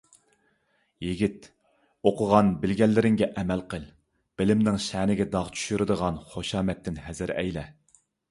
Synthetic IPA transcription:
jiɡʲit̪ | oqʰʊʁɑnbɪlɡʲɛlːɪɾɪŋɡʲɛʔɛmælqʰəlˠ | b̥ɪlɪmnɪŋʃænɪɡʲɛd̪ɑʁt͡ʃʰy̥ʃyɾɨd̪əʁɑnχoʃɑːmɛt̪ʰːɪnɦɛzɪɾɛ̰jlɛ

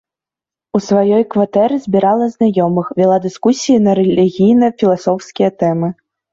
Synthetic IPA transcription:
usvajɔjkvat̪ɛɾɨzʲbʲiɾalˠɐznajɔmɨxvʲɛlˠad̪ɨskusʲijinɐɾɛlʲiɣʲijnɐfʲilˠasɔwskʲijɐt̪ɛmɨ

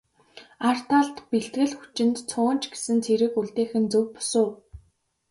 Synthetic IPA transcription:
ar̥t̪ʰaɮt̪peɬt̪ɡɘ̆ɮxu̥t͡ɕɪ̆nt̪t͡sʰʊːnt͡ɕɡe̥sɘ̆nt͡sʰeɾɘ̆kuɮt̪eːxɘ̆nt͡sɵkpʊ̥sʊː

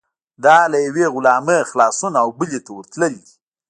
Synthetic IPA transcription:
d̪ɑlajaweɣʊlɑməxlɑsunaːwbulet̪awəɾt̪ləli

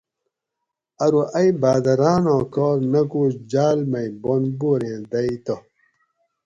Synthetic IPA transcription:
ɐɾuʔɐjbaːd̪ɐɾaːnõːkoːɾnɐkud͡ʑaːlmɐjbonboɾẽːd̪ɐjt̪o

